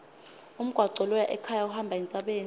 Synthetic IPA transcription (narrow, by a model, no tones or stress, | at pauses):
um̩ɡ̥ʱwaǀɔlɔjaʔɛkʰajauhambʱaɛnt͡sʼaɓeːn